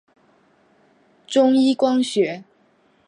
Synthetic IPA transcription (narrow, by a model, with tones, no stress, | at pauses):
ʈ͡ʂʊ˥ŋi˥kwɑ˥ŋɕɥɛ˧˥